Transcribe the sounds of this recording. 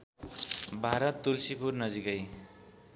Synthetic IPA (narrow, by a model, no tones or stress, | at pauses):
bʱaɾʌt̪ːulsipurnʌd͡zikʌj